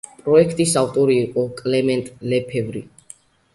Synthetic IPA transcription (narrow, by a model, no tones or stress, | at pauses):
pʼɾɔɛkʰt̪ʼisavt̪ʼɔɾiːqʼɔkʼlɛmɛ̃nt̪ʼlɛpʰɛvɾḭ